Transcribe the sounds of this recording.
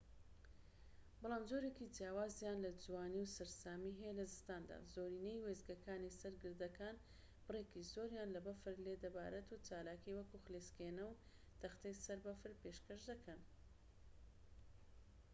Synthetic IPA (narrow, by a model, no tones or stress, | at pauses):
bɑlˠaːmzoɾekid͡ʒijaːwaːzjanlɐd͡zwaːniwsɨɾsaːmiɦɛjelɐzɨst̪aːnd̪a̰ːzoɾinejwezɡɐkaːnisɐɾɡɨɾd̪ɐkaːn | b̥ɨreːkizoːɾjaːnlɐbɐfɨɾled̪ɐba̰ːɾɐt̪ut͡ʃaːlaːkiwɐkuxleskeːnɐw | t̪ɐxt̪ɐjsɐɾbɐfɨɾpeːʃkɐʃd̪ɐkɐn